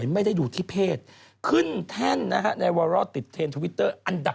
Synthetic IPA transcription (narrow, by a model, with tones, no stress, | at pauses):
jma˥˩jda˥˩jduː˨˩t̪ʰiː˥˩pʰeː˥˩t̪̚ | kʰɯ˥˩nt̪ʰɛ˥˩nːa˦˥kʰa˦˥na˧jwaː˧ɾɔ˦˥˩t̪i˨˩t̪ʰːeː˧nt̪ʰu˧wi˦˥t̪ːɤː˥˩ʔa˧nda˨˩